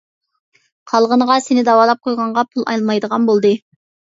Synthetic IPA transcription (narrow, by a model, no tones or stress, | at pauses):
qʰɑlˠʁənəʁɑsenɪd̪ɑwɑːlˠɑp̚qʰojʁɑɴʁɑpʰulˠɑ̰jlˠmɑjd̪əʁɑnbolˠd̪ɨ